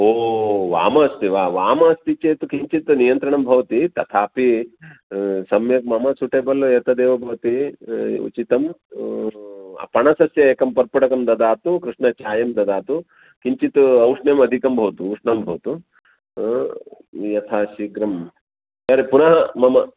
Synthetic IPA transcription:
oːʋa̰ːmɐɐst̪iʋaːʋaːmɐːst̪it͡ʃeːt̪ukiɲt͡ʃit̪nijɐnt̪ɾɐɳɐmbʱɐʋɐt̪it̪ɐt̪ʰaːpi | sɐmjɐk̚mɐmɐsuʈeːbɐlːɐet̪ɐd̪eːʋɐbʱɐʋɐt̪iṵt͡ʃit̪ɐm | pɐɳɐsɐsjɐeːkɐmpɐɾpɐʈɐkɐmd̪ɐd̪aːt̪ukɾɪʂɳɐt͡ʃaːjɐmd̪ɐd̪aːt̪u | kiɲt͡ʃit̪uɐwʂɳjɐmɐd̪ʱikɐmbʱɐʋɐt̪uɐʂɳɐmbʱɐʋɐt̪u | jɐt̪ʰaːʃiːkɾɐm | sɐɾepunɐɦɐmɐmɐ

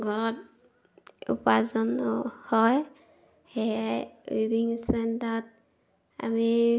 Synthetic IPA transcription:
ɡʱɔɹɔt | ṵpazɔnɔhɔj | he | ibiŋsɛntɔt̚ | a̰mi

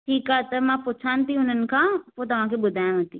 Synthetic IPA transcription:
ʈʰiːkat̪əmãpʊt͡ʃʰãnt̪iʊnən̆kãot̪ɐʋ̤ãk̬ibʊd̪ʱaːjãʋə̃t̪i

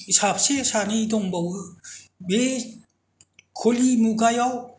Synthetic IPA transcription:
isapʰsesanidɔŋbɔwɯbe | kʰolimuɡajɔw

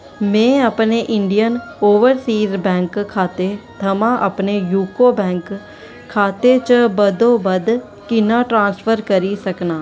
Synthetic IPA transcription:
mɛ̃ːəpneːʔɪɳɖijənoːʋəɾsiːzbɛ̃ːŋkkʰːaːt̪eːt̪ʰəmãːʔəpneːjuːkoːbɛ̃ːŋkʰː | aːt̪eːt͡ʃəbəd̪õːbəd̪ | kɪnãːʈɾãːnspʰəɾkəɾiːsəknaː

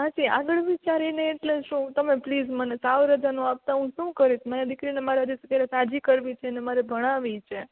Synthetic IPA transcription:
ɦãd͡ʒia̰ɡəɭʋit͡ʃaɾineːʈleʃũt̪əmeplid͡ʒmənesaʋɾəd͡ʒanũap̚t̪aɦũʃũkəɾit̪ʰmaɾid̪ɪkɾinemaɾeəd̪uskeɾesad͡ʒikəɾʋit͡ʃʰenemaɾɛbʱəɽ̃aʋit͡ʃʰe

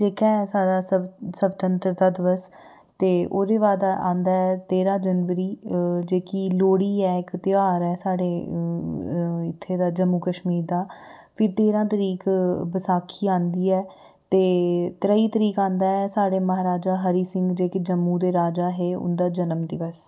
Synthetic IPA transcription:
d͡ʒeːkɛːsaːɖaːsəbt̪ənt̪ɾəd̪aːd̪ɪʋəs | t̪eːoːd̪eːʋaːd̪aʔãːnd̪aːɛːt̪eːɾãːd͡ʒənʋəɾiːd͡ʒeːkiːloːɽiːɛːkt̪ɪaːɾɛːsaːɽeː | ɪt̪ʰːeːd̪aːd͡ʒəmːuːkəʃmiːɾd̪aːpʰɪɾt̪eːɾãːt̪əɾiːkbəsaːkʰiːãːnd̪iːɛː | t̪eːt̪ɾəiːt̪əɾiːkãːnd̪aːɛːsaːɽeːməɦaːɾaːd͡ʒaːɦəɾiːsɪ̃ŋɡd͡ʒeːkeːd͡ʒəmːũːd̪eːɾaːd͡ʒaːɦeːʊ̰nd̪aːd͡ʒənəmd̪ɪʋəs

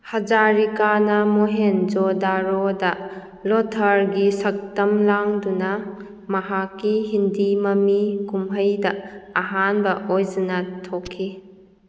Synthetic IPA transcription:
hɐd͡ʒaɾikanɐmoɦend͡ʒodaɾodɐ | lotʰɐɾɡisɐk̚tɐmlaŋdunɐ | mɐɦakːiɦindimɐmikumɦəjdɐɐɦanbɐojzɯnɐtʰokʰːi

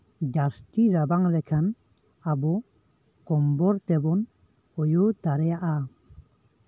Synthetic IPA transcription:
d͡ʒasʈiɾabaŋlɛkʰan | abɔ | kɔmbɔɾt̪ɛbɔn | ɔjɔt̪aɾɛjaʔa

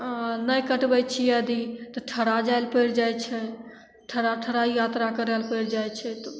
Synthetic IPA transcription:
nəjkəʈbɛt͡ʃʰiəd̪it̪ɔʈʰəɽad͡ʒaelpəjɽd͡ʒajt͡ʃʰɛ | ʈʰəɽaʈʰəɾaijat̪ɾakəɾəlpəɽd͡ʒajt͡ʃʰɛt̪ɔ

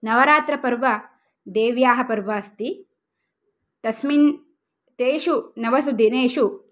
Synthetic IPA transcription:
nɐʋɐɾaːt̪ɾɐpɐɾʋɐ | d̪eːʋjaːɦɐpɐɾʋɐɐst̪i | t̪ɐsmin | t̪eːʃunɐʋɐsud̪ʱineːʃu

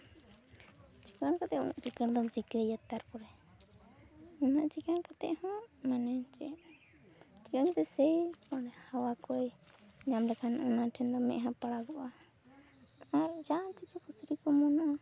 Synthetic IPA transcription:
t͡ʃi̥kəɽkat̪ɛʔɔ̰na̰ʔt͡ʃikəɳd̪ɔt͡ʃikəjat̪aɾkɔɾɛ | ɔnaʔt͡ʃikankat̪ɛ̰ʔhɔ̃manɛt͡ʃɛ̰ | t͡ʃikəɳt̪ɛsɛjpaɽɛhawakɔjɲamlɛkʰanʔɔnaʈʰɛnd̪ɔmɛ̰ʔɦãpaɽaɡɔʔa | ad͡ʒat͡ʃikɛpʰusɾikɔmɔnaʔ

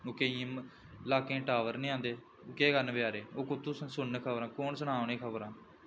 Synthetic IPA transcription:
oːkeĩ | laːkẽːʈaːʋəɾnĩːãːnd̪eː | oːkeːɡənbjaːɾeːoːkʊt̪ːuːssʊnːekʰəbɾãːkoːnsəɳaːʋnẽːkʰəbɾãː

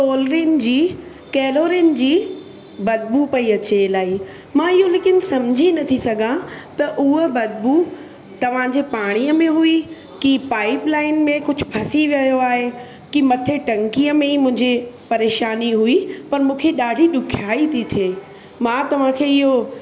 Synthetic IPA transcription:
soːlɾiən̆d͡ʑiː | kɛːloːɾin̆d͡ʑiː | bɐd̪̚bupɐiɐt͡ɕelaːi | mãːɪɦoleːkɪnsɐmd͡ʑʱinɐt̪ʰisɐɡʱãt̪ɐʔʊɦəbɐd̪̚bu | t̪ɐʋ̤ãd͡ʑeːpaːɽ̃ijəmẽɦui | kipaːɪplaːɪnmẽkʊd͡ʑʱʊbʰʱɐsiʋjɐjoaːɦe | kimɐt̪ʰeʈɐ̃ŋkijəmẽimʊ̃ɦɪ̃ɲd͡ʑipɐɾeːʃaːniɦuipɐɾmũːkʰeɗaːɖʱiɗʊkʰjaːit̪ʰit̪ʰeː | mãːt̪ɐʋ̤ãkʰeːɪɦo

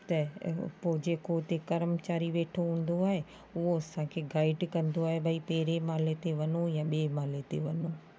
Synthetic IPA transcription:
t̪ɐpoːd͡ʑeːkot̪ekɐɾəmt͡ɕaːɾiʋeːʈʰoɦũːn̆d̪oaːɦe | ʊɦoɐsãkʰeɡaːɪɖkɐ̃nd̪oaːɦebʱɐipeːɾemaːlet̪eʋɐnojãɓiemaːlet̪ḛʋɐno

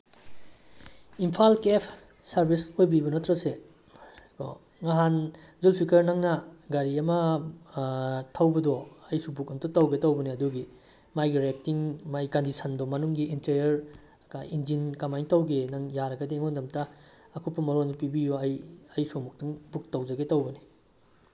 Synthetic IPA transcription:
impʰalkepʰ | sɐɾbisojbibɐnɐtɾɐse | ko̰ | ŋaɦan | zulpʰikɐɾnɐŋnɐɡɐɾiɐmɐ | tʰɐwbɐdɔɐjsubukɐmtɐtɐwɡetɐwbɐneɐduɡi | majɡiɾek̚tiŋmajkɐndisɐndɔmɐnuŋɡiːnteɾjɐɾ | kajind͡ʒinkɐmajntɐwɡenɐŋjaɾɐɡɐdeŋondɐmtɐː | kʰupːɐmɐɾondupibijoɐjɐjsumuk̚tuŋbuk̚tɐwd͡ʒɐɡetɐwbɐni

